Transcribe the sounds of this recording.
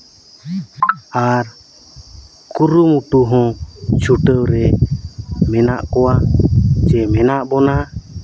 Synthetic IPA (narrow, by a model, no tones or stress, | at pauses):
aɾ | kuɾumuʈuɦɔ̃t͡ʃʰuʈəwɾɛ | mɛnaʔkɔwat͡ʃɛmɛnaʔbɔna